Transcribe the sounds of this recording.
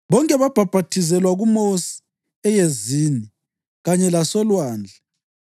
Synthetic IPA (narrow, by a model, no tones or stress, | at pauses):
βɔŋkʼɛβab̥ʱab̥ʱatʰizɛlwaɣumosi̥ | ɛjezini | ɣaɲɛlasɔlwaːnd͡ɮʱɛ